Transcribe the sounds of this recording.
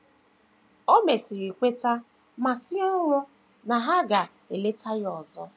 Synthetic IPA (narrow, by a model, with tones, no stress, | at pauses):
o˦me˨si˨ɾi˨kʷe˦ta˦ | ma˨sɪ˦a˦lʊ˦ | na˨ɦa˦ɡa˨ | e˨le˦tʰa˦jɔ˨zɔ˦